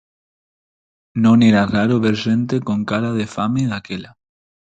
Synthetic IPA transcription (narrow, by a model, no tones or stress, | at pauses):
nõŋeɾaraɾoβeɾʃẽnt̪ekoŋkaɾað̞efameðakela